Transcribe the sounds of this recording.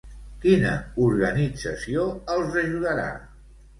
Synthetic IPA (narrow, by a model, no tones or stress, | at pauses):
kinə̰uɾɣənid͡zəsioəlˠzəʒuðəɾa̰